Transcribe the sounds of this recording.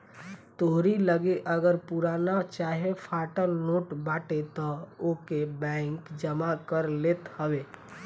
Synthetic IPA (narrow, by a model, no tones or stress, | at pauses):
t̪oɦɾiləɡeʔəɡəɾpuɾanat͡ʃaɦepʰaʈəlnoʈbaʈet̪ɔokebɛ̃ɪŋkd͡ʒəmakəɾlet̪həbe